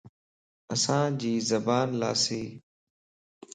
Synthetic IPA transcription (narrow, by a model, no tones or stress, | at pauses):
əsãːd͡ʑiːzəbaːnla̰ːseː